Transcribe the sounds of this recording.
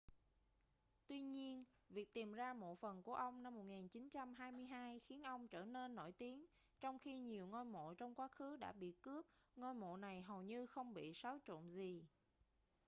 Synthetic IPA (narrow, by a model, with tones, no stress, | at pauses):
t̪wi˧ɲi˧ən | vi˨˩ək̚t̪i˨˩mzaː˧mo̰˧˨jfə˨˩nku˧˩əʔə˧wŋ͡mna˧mːo˨˩t̚ŋi˨˩nt͡ɕi˨˦nt͡ɕa˧mɦaː˧jmɨ˧əjɦaː˧jxi˨˦ənʔə˧wŋ͡mt͡ɕə̰ː˧˩ne˧nːo̰˧˩jt̪i˨˦ən | t͡ɕɔ˧wŋ͡mxi˧ɲi˨˩əwŋo˧jmo̰˧˨t͡ɕɔ˧wŋ͡mkwaː˨˦˥xɨ˨˦ɗa̰ː˧˥ɓḭ˧˨kɨ˦˥əp̚ŋo˧jmo̰˧˨na˨˩jɦə˨˩wɲɨ˧xə˧wŋ͡mɓḭ˧˨sa˨˦wt͡ɕo̰˧˨nzi˨˩